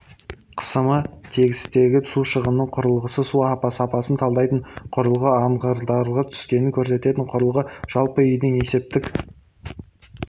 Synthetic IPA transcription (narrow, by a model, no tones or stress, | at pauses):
qʰə̥səmət̪ʰe̞ɡʲɪst̪e̞ɡʲɪsuʃəʁənnːəɴqʰʊɾəlˠʁəsəsuɑpɑsəɑpɑsənt̪ʰɑlˠd̪ɑjt̪əɴqʰʊɾəlˠʁəɑɴʁɑɾd̪ɑɾʁət̪ʰʏ̥skʲe̞nɪŋkʲʰɵɾs̬e̞t̪e̞t̪ɪɴqʰʊɾəlˠʁəʒ̥ɑlˠpəʏjd̪ɪŋe̞se̞p̚t̪ɪk